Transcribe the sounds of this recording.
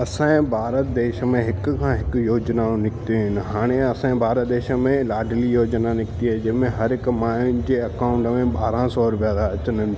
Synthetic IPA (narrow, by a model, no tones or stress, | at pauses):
ɐsãbʱaːɾət̪d̪eːʃmẽɦɪkkãɦɪkjoːd͡ʒnaõnɪkt̪eɦɪ̃nɦaːɽ̃ẽɐsãːẽbʱaːɾət̪̚d̪eːʃəmẽlaːɖlijoːd͡ʒnanɪkt̪iɦɛd͡ʒɪmẽɦɐɾɪkmãːd͡ʒeɐkaːʊ̃ɳʈmẽbaːɾãsɔːɾʊpjaːd̪aɐt͡ʃənən